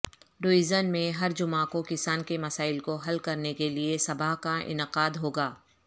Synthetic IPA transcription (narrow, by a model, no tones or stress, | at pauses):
ɖoːɪzənmẽɦɐɾd͡ʒʊmaːkokɪsaːnkemɐsaːɪlkoɦɐlkɐɾnekeliesɐbaɦkaʔɪ̰nɪqaːd̪ɦoːɡaː